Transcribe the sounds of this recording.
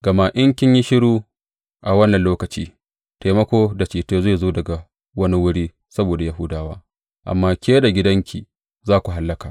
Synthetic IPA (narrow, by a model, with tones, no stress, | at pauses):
ɡ̥ɐ˨maː˨ʔɪ˦ŋkʲɪ˦ɲji˦ʃɪ˦ɽuː˦ | ʔa˨wɐ˦nːɐ˨nloː˦kɐ˨t͡ʃḭː˦ | teː˨mɐ˦kʷoː˦da˨t͡ʃiː˨teː˦zeː˦˨zoː˦dɐ˨ɡa˨ | wɐ˦ni˦wʊ˦ɽiː˦ | sɐ˦boː˨da˨ja˦ɦʊ˦daː˦waː˦ | ʔa̰˨mːaː˦kʲeː˦da˨ɡʲɪ˦dɐ˦ŋkʲi˨ | zaː˦kʷu˨ɦa˨lːɐ˦kaː˨ʔ